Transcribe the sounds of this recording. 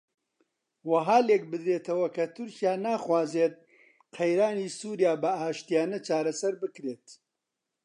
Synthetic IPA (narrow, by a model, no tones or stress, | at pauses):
wɐɦaːlek̚bɨd̪ɾeːt̪ʰɐwɐkɐt̪ʰʊɾcijaːnaːχwaːzet̪̚ | qʰɐjɾaːniːsuːɾjaːbɐaːʃt̪ijaːnɐt͡ʃaːɾɐsɐɾbɨkɾeːt̪